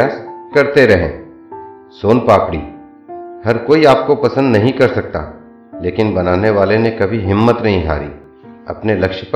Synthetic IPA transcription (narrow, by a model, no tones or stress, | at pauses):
aːskɐɾt̪eɾɐɦḛ̃ː | soːnpaːpɽḭː | hɐɾkoːiaːp̚kopɐsə̃nd̪nɐɦĩkɐɾsɐk̚t̪a̰ː | leːkɪnbɐnaːneʋaːlenekɐbʱiɦɪmːət̪nɐɦĩɦa̰ːɾḭː | ɐ̰pnelɐkʃp